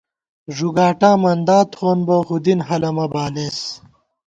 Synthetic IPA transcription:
ʐuɡaːʈaːmɐnd̪aːt̪χoːnboxud̪inɦɐlɐmɐbaːleːs

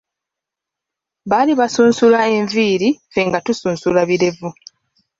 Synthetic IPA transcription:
βaliβasuːnsulae̞ɱviːɾife̞ŋɡatusuːnsulaβiɾe̞vu

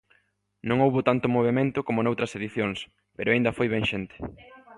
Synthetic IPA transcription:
nõŋowβʊt̪ant̪ʊmoβ̞emẽnt̪ʊkomonowt̪ɾɐseðiθjoŋs | peɾʊaĩnd̪ɐfojβɛŋʃent̪e̥

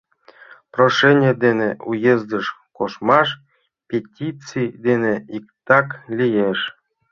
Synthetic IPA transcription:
proʃenʲed̪eneʔujezd̪əʃkoʃmɑʃ | pʲetʲit͡sid̪eneikt̪ɑklʲijeʃ

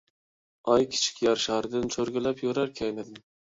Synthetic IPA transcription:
ɑjkʲʰɪ̥t͡ʃʰɪ̥kʲjɑɾʃɑɾd̪ɪnt͡ʃʰoɾɡʲɪlæpjoɾaɾkʲʰajmɪd̪ɪm

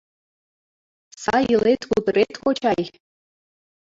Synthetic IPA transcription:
sajilejtʰɡʷudrejtʰkʷot͡ʃʰaj

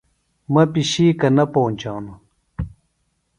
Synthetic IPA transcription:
mɐpiɕiːkɐnɐpoːnʲt͡ɕaːnu

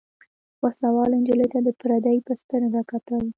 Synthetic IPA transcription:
waslawɑlend͡ʒələjt̪ad̪əpɾad̪ajpəst̪əɾaɾakat̪awi

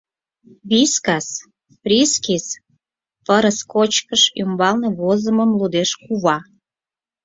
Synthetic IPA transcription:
βiskɑs | prʲiskis | pəɾəskot͡ɕkəʃymbɑlneβozəməmlud̪eʃkuβɑ

